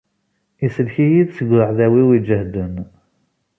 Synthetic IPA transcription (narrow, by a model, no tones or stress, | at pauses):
isəlçijiðsəɡʷɾəʕðæwiwid͡ʒəhd̪ən